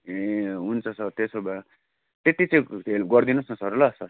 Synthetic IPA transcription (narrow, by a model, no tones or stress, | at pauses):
eɦunt͡sʰʌsʌrt̪esoba | t̪et̪it͡sʌ̃ĩelɡʌrd̪inʌsnʌsʌɾlʌsʌr